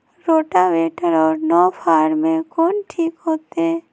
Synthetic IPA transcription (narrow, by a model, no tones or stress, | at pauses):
ɾoːʈaʋeːʈəɾɔːɾnɔːpʰaːɾmẽkoːnʈʰiːkɦoːt̪eɛ